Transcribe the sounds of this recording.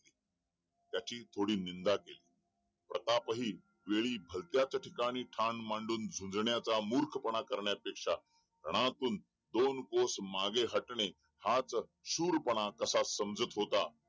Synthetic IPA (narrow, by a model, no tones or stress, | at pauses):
i | t̪jat͡ɕiːt̪ʰoɽiːnind̪akeliː | pɾət̪apəɦiː | ʋeɭiːbʱəlt̪jat͡sʈʰikaɽ̃iːʈʰanmaɳɖuːnd͡zʱũnd͡zɳjat͡samuɾkʰpəɽ̃akəɾɳjapekʂa | ɾəɽ̃at̪uːn | d̪onkosmaɡeɦəʈɳe | hat͡sɕuːɾpəɽ̃akəsasːəmd͡zət̪ɦot̪a